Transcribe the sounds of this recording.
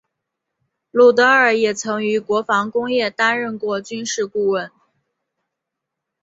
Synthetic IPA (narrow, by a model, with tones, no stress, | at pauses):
lu˨˩t̪ɤ˧˥ə˞˨˩jɛ˨˩t͡sʰɤ˧˥ŋy˧˥kwɔ˧˥fɑ˧˥ŋkʊ˥ŋjɛ˥˩t̪a˥nɻə˥˧nkwɔ˥˧t͡ɕy˥nʂɻ̩˥˧ku˥˧wə˥˩n